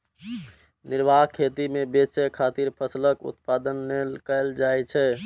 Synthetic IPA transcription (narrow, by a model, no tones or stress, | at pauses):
niɾbʱaɦkʰet̪imebesɛkʰat̪iɾpʰəsləkṵt̪̚pad̪ənːelkəld͡ʒajt͡ʃʰɛ